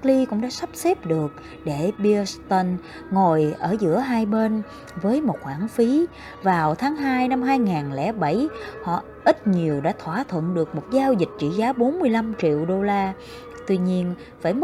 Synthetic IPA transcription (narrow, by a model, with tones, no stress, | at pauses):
k̚li˧kʊ̰˧˥ŋ͡mɗa̰ː˧˥sa˦˥p̚sɛ˦˥p̚ɗɨ˨˩ək̚ | ɗe˧˩ɓi˧st̪ə˧n | ŋo˨˩jʔəː˧˩zɨ̰˧˥əɦaː˧jɓe˧n | vəː˨˦jmo˨˩t̚xwaː˧˩nfi˨˦ | vaː˨˩wt̪ʰaː˨˦ŋɦaː˧jna˧mɦaː˧jŋaː˨˩nlɛ̰˧˩ɓə˧˩jhɔ̰˧˨ | ʔi˦˥t̚ɲi˨˩əwɗa̰ː˧˥t̪ʰwaː˧˩t̪ʰwə̰˧˨nɗɨ˨˩ək̚mo˨˩t̚zaː˧wzï˨˩t̟̚t͡ɕḭ˧˨zaː˨˦ɓo˨˦nmɨ˧əjla˧mt͡ɕḭ˧˨əwɗo˧laː˧ | t̪wi˧ɲi˧ən | vaː˧˩jm˦